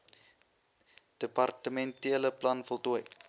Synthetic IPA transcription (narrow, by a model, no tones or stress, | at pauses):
d̥əpɐrtəmɛntiələplɐnfəlˠtuəj